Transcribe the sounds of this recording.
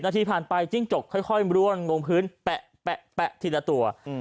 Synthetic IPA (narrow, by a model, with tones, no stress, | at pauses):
naː˧t̪ʰiː˧pʰaː˨˩npa˧jt͡ɕi˥˩ŋt͡ɕo˨˩kʰːɔ˥˩jxʰɔ˥˩jɾu˥˩ənŋoː˧ŋpʰɯː˦˥npɛ˨˩ʔ | pɛ˨˩ʔpɛ˨˩ʔt̪ʰi˧˩lːa˧t̪u˧ɐ